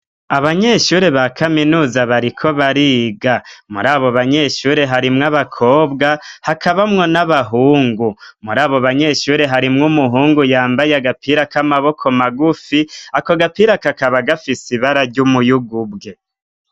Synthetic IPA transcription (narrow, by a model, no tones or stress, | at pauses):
aβaɲe̞ʃuːɾe̞βakʰaminuːzaβaɾikʰo̞βaɾiːɡamṵɾaːβo̞βaɲe̞ʃuːɾe̞ɦaɾimŋaβakʰo̞ːbɡahakʰaβamŋo̞naβaɦuːŋɡumuɾaːβo̞βaɲe̞ʃuːɾe̞ɦaɾimŋumuɦuːŋɡujaːmbajaɡapʰiːɾakamaβo̞kʰo̞maɡufiako̞ɡapiɾakakaβaɡafisiβaɾaɾɟumujuɡubɡe̞